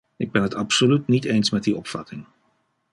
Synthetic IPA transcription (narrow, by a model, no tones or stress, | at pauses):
ɪɡ̚bɛnɦətɑpsolytnitejnsmɛt̚diɔpfɑtɪŋ